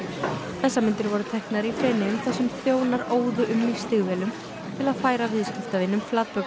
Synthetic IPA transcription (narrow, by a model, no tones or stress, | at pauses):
θɛsːamɪnt̪ɪɾvɔɾʏt̪ʰɛhknaɾifɾɛːnɪʏmθɛsːʏmθjoːwnaɾoːwðʏʔʏmlist̪ɪɣvɛːlʏm | t̪ʰɪlaðfaːjɾavɪðscɪft̪avɪnːʏmflat̪̚pœ